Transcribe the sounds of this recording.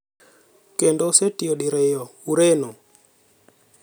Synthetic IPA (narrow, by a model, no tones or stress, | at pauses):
kendosetioɗɪɾejɔuɾeno